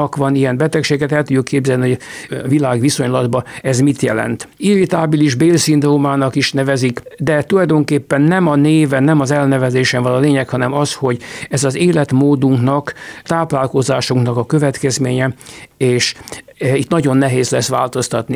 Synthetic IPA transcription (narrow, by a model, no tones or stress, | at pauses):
kʋɒnijɛmbɛt̪ɛkʃeːɡɛt̪ɛlt̪uɟːukːeːbzɛlniɦojɒvilaːɡʋiso̞ɲlɒd̪bɒɛzmit̪jɛlɛ̰nt̪iɾit̪aːbiliʒbeːlsind̪roːmaːnɒkiʃnɛvɛzikd̪ɛt̪ulɒjd̪o̞ŋkeːpːɛnːɛmɒneːvɛnːɛmɒzɛlnɛvɛzeːʃɛɱvɒnoleːɲɛkhɒnɛmɒsho̞ɟɛzɒzeːlɛt̪moːd̪uŋknɒkt̪aːplaːlko̞zaːʃuŋknɒkɒkøvɛt̪kɛzmeːɲɛeːʃ | it̪nɒɟo̞nːɛɦeːzlɛsʋaːlt̪o̞st̪ɒt̪ni